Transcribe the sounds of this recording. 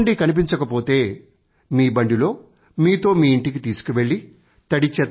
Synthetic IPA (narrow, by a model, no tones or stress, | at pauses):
ɳɖikɐnip̬iɲt͡ʃɐkɐpo̞ːt̪e̞ː | miːbɐɳɖilo̞ː | miːt̪o̞ːmiːiɳʈik̬it̪iːsu̥kuʋe̞ɭːi | t̪ɐɽit͡ʃːɛ